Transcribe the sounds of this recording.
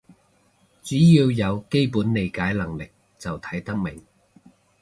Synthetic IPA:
t͡syː˨˥jiː˧wjɐ˨˧wke˥jpuː˨˥nle˨˧jkaː˨˥jlɐ˨˩ŋlɪ˨k̚ | t͡sɐ˨wt̪ʰɐ̥˨˥jt̪ɐ˥k̚mɪ˨˩ŋ

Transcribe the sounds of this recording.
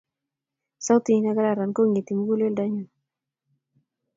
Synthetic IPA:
sa˦wt̪i˨˦na˦ɡa˦ɾa˨ɾa˨nko˦ŋe˨t̪i˨mu˦ɡu˦le˦lda˦ɲa˨n

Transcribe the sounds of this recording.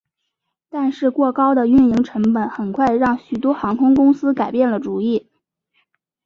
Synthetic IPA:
t̪a˥˧nʂɻ̩˥˧kwɔ˥˩kɑ˥ʊd̪ə˨y˥˩nji˧˥ŋʈ͡ʂʰɤ˧˥ŋpə˨˩˦nxə˨˩nkʰwa˥˧ɪɻɑ˥˩ŋɕy˨˩t̪wɔ˥xɑ˧˥ŋkʰʊ˥ŋkʊ˥ŋsɹ̩˥ka˨˩ɪpjɛ˥˩nlə˩ʈ͡ʂu˨˩i˥˩

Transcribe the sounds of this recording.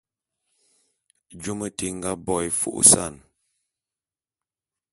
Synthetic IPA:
d͡ʒu˦mə˦ti˨ŋ̩˦ɡa˦bɔ˦˨jfṵ˦˨ʔsa˦˨n

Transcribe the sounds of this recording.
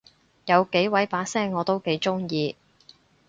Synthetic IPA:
jɐ˨˧wke˨˥jwɐ˨˥jpaː˨˥sɛː˥ŋŋɔː˨˧t̪o˥wke˨˥jt͡ʃʊ˥ŋjiː˧

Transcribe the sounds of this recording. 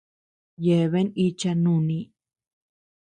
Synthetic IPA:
je˨βe˦ni˦t͡ʃa˧nũ˦˨nĩ˧

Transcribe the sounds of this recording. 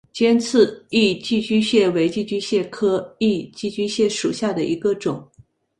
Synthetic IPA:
t͡ɕjɛ˥nt͡sʰɹ̩˥˧i˥˧t͡ɕi˥˩t͡ɕy˥ɕjɛ˥˩we˧˥ɪt͡ɕi˥˩t͡ɕy˥ɕjɛ˥˩kʰɤ˥i˥˧t͡ɕi˥˩t͡ɕy˥ɕjɛ˥˩ʂu˨˩ɕja˥˩d̪ə˩ʔḭ˧˥ɡə˧ʈ͡ʂʊ˨˩˦ŋ

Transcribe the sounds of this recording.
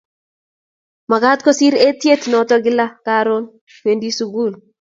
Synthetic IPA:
ma˨ɡa˦tkɔ˦si˦ɾe˦tje˦tnɔ˨tɔ˦ɡɪ˦la˦ka˦ɾo˦n | kwe˨ndi˦su˦ɡu˦˨l

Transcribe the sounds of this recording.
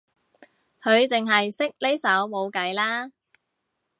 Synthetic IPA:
kʰɵ˨˧ɥt͡sɪ˨ŋɦɐ˨jsɪ˥k̚le˥jsɐ˨˥wmo˨˧wkɐ˨˥jlaː˥

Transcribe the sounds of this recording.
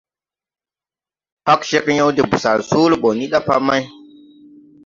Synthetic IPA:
hɔ˦kʃi˦kɲa˦wdi˨bu˨sa˨lsu˦lbo˨ni˦ɗa˦pa˦ma˦j

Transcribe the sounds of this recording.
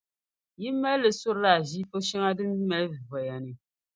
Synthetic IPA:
ji˦mɛ˦llɨ˨sʊ˦ɾla˨ʒi˦po˦ʃɛ˦ŋa˦dɨ˦m˦i˦mɛ˦lvvɔ˨ja˨nɨ˨

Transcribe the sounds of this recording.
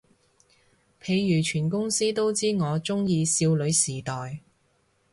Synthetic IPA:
pʰe˨˧jjyː˨˩t͡ʃʰyː˨˩nkʊ˥ŋsiː˥t̪o˥wt͡siː˥ŋɔː˨˧t͡ʃʊ˥ŋjiː˧siː˧wlɵ˨˧ɥsiː˨˩t̪ɔː˨j

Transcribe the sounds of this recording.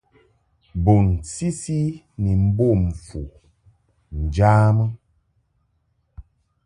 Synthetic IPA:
bo˨nsi˦si˦ | ni˨m̩˦bo˦˨m˨fu˨ | n̩˨d͡ʒaː˦mə˦

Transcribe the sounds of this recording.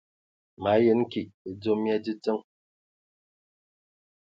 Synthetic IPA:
ma˨˦je˦n˦ki˨e˨d͡zo˦mja˦d͡ʒi˦t͡sə˦ŋ

